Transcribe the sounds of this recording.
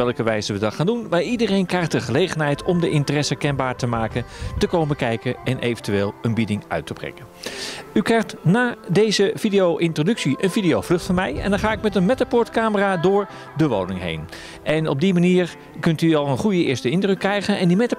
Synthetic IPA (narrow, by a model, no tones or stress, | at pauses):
ɛlˠkəʋɛjzəʋədɑtχaːndunmaːɹidərejnkrɛjχdəχəlejχənɦɛjtɔmdəʔɪntərɛsəkɛnbaːɹtəmaːkəntəkowməkɛjkəɛnʔejvəntyeːlˠənbidɪŋœ̰ɥtəbrɛ̰kənykrɛjχtnaːdejzəv̥idejowʔɪntrodɵksiʔənvidijowvlɵχtfɔnmɛjɛ̰ndɑnχaːɪkmɛtənmɛtapʊːɹtkaːməraːdʊːɹ | dəʋo̰wnɪŋɦḛjn | ʔɛnɔb̚dimaniːɹ | kɵntyɑlˠənχujəɪ̰ːɹstəɪndrøkːrɛjχənɛndimɛt